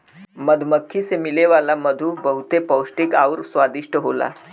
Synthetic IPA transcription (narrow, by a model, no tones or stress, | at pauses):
məd̪ʱməkʰːisemileʋalaməd̪ʱubəɦut̪epəwʂʈikawɾsʋad̪iʂʈəɦola̰